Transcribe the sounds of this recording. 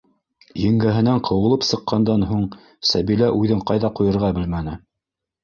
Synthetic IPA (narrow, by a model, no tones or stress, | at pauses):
jɘ̆ŋɡæɦɘ̆næɴqʰɤ̆wɤ̆lˠɤpsɤ̆qːɑnd̪ɑnɦuɴ | sæβilæʔʉðɘɴqɑjðɑqujɤ̆ɾʁɑbɘlmænɘ